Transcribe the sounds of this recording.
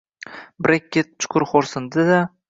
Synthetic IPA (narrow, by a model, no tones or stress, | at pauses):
bɾekʲːet̪̚t͡ʃʰʊ̥qʰʊɾχoɾsɪnd̪ɪd̪a